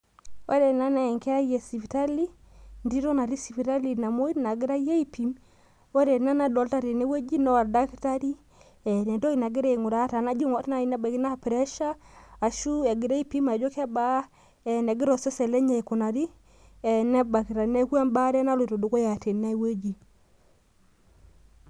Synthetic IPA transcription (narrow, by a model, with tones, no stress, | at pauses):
o˦ɾɛ˨na˦nɛ˨ŋkɛ˦ɾa˦jɛ˨si˨pi˨ta˦li˦ | ndi˦ɾɔ˦na˨ɾi˦si˨pi˨ta˦li˨na˨mo˦i˦na˨ɡi˦ɾa˦je˦i˦pi˨m | o˦ɾɛ˨na˦na˦dɔ˨lta˦ɾi˨nɛ˦we˦d͡ʒi˦nɔ˦wa˨da˦ki˦ta˦ɾi˦ | ɛ˨nɛ˨ndɔ˦i˨na˨ɡi˦ɾe˦˨ŋu˨ɾa˦ta˨na˦d͡ʒi˦ŋɔ˦tna˦˨i˨nɛ˦ba˨ki˦na˦pɾɛ˦ʃaː˦˨ʃu˦ɛ˨ɡi˨ɾa˦i˦pi˦ma˨d͡ʒɔ˦kɛ˦ba˦ | ɛ˨nɛ˨ɡi˦ɾɔ˨sɛ˦sɛ˨lɛ˦ɲa˨i˨ko˨na˨ɾi˦ | ɛ˨nɛ˦ba˨ki˨ɾa˨nɛ˦ka˦mba˦ɾɛ˦na˦lo˨to˨do˨ko˦ja˨te˨nna˦we˦d͡ʒi˨